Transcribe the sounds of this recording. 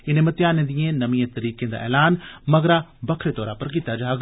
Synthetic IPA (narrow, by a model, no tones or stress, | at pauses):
ɪnẽmɐt̪jaːnẽːd̪iẽːnɐmĩẽt̪əɾiːkẽd̪a̰ːʔɛ̰ːlaːnmɐɡɾabɐkʰɾet̪ɔːɾaːpəɾk̬it̪ad͡ʒaːɡ